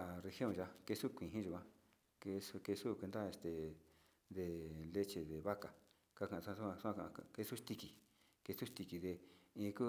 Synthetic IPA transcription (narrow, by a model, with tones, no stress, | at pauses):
re˧hjõ˦˨ʒa˧ke˧su˦kʷĩ˨ĩ˦ʒu˨kʷã˧ | ke˧su˧ke˧su˦˨kʷe˧nd̪a˦e˧st̪e˨ | ðe˨le˦t͡ʃe˧ðe˨βa˦ka˨ | ka˧kã˨˧sa˦˧su˦ã˧su˦ã˧a˧ke˧su˦ʂt̪i˧ki˨ | ke˧su˦ʂt̪i˧ki˧ðe˧ĩː˧ku˦